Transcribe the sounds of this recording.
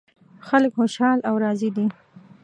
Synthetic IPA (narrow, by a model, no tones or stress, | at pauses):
xaləkxoʃɑlawɾɑzid̪i